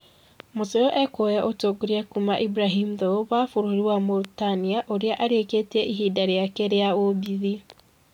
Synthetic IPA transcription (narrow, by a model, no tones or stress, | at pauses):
moseoʔɛkojaʔotoɡuɾiakumaʔibɾaɦimðooβafoɾohiɾiwamoɾutaniaʔoɾeaʔaɾeketiɛʔiɦidaɾeakeɾeaobiði